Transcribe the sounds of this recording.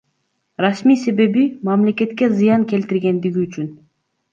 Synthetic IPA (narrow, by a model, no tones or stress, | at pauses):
ɾasmijse̞βe̞βimamle̞ke̞t̪kezɨjɑŋkʲe̞lt̪iɾɡe̞nd̪iɡʲiːt͡ʃyn